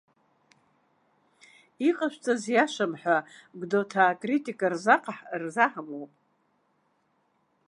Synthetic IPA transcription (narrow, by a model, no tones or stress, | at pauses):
iqʼaʃʷt͡sʼazjaʃamħʷᶣaɡdotʰaːkʼritʼikʼarzaqʼħrzaħamowpʼ